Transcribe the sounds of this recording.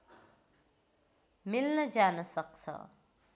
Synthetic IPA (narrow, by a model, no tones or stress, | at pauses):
milnʌd͡ʒaːnʌsʌk̚t͡sʰʌ̰